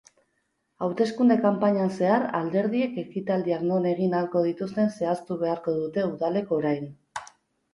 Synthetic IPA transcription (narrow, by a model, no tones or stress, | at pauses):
awt̪e̞skund̪e̞kampaɲanse̞aɾald̪e̞ɾð̞ie̞ke̞kit̪ald̪iakno̞ne̞ɣ̞inaɾko̞ð̞it̪ust̪e̞nse̞ast̪uβ̞e̞aɾko̞ðut̪e̞uðale̞ko̞ɾajn